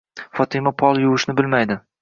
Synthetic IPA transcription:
fɒt̪ʰɪmapʰɒlˠjʊwɪʃnɪbɪlmajd̪ɪ

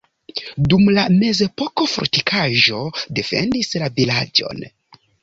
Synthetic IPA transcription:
dumlame̞ze̞po̞ko̞fo̰ɾtikʰaʒo̞de̞fe̞̰ndislavilad͡ʒo̞̰n

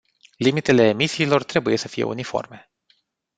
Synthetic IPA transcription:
limit̪e̞le̞ːmisiːlo̞rt̪ɾe̞buje̞səfije̞̰ṵnifo̞̰rme̞

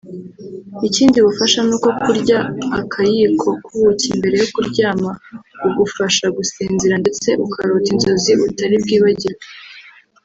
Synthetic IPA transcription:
iciːndiβufaʃanuːko̞kuɾɟaːkʰajikʰo̞kuβucimbe̞ɾe̞jo̞kuɾɟaːmauɡufaʃaɡusiːnzeɾande̞t͡se̞ʔukʰaɾoːtinzo̞ziutaɾibɡiːβaɟiɾe

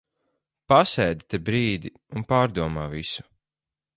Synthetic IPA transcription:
pasɛjd̪t̪ebɾiːd̪i | unpaːɾd̪uɔmaːvisu̥

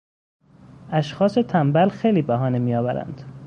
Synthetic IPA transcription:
æʃxɒːse̞t̪ʰæmbælxejliːbæɦɒːnemiːjɒːvæɾæ̰nd̪̥

